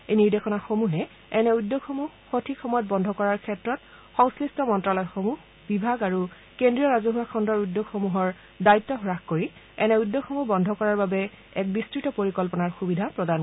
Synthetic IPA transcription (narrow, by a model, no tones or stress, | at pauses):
ejniɹdexɔnaxomuɦɛ | ɛnɛujdːoɡxomuhxotʰikxɔmɔjɔt̚bɔndʱɔkɔɹaɹkʰɛtɹɔt̚ | xɔŋslɹistɔmɔntɹalɔjxomuɦ | bibʱaɡaɹu | kendɹijɔɹazɔɦuwakʰɔndɔɹudːoɡxomuɦɔɹ | daitːɔɦɔɹaxkoɹi | ɛnɛujdːoɡxɔmubɔndʱɔkɔɹaɹbabɛ | ɛk̚bistɹitɔpoɹikɔlpɔnaɹxubidʱapɹɔdan